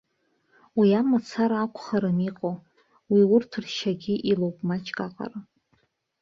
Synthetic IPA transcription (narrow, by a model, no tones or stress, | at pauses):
wiamat͡sʰaɾaakʷʰʼχaɾɨmiqʼo | wiwʊrtʰɨrʃaɡʲɪʔilowpʼmat͡ʃʼkʼaqʼa̰ra